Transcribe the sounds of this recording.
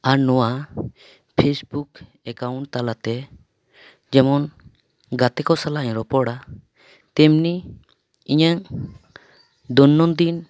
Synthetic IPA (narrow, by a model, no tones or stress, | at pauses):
aɾnɔwa | pʰesbuk | ɛkawuɳʈ̚t̪alat̪ɛ | d͡ʒɛmɔn | ɡat̪ɛkɔsalaɲɾɔpɔɽa | t̪ɛmni | iɲaŋ | d̪ɔnːɔnd̪in